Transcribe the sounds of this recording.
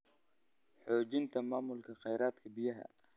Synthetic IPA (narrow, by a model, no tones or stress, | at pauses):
ħɔːt͡ʃɪnt̪ʰɐmaːmʊlkʰɐqɑjɾaːd̪kʰɐbɪjɐɦɐ̰